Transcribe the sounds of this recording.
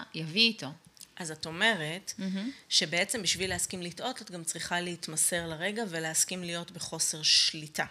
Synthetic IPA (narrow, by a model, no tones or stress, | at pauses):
javiːto̞ʔazato̞me̞ʁetʃe̞beet͡se̞mbiʃvileaskimlitʔo̞tatɡamt͡sʁiχaleitmase̞ʁlaʁe̞ɡave̞leaskimlijo̞tbeχo̞se̞ʁʃlitʰa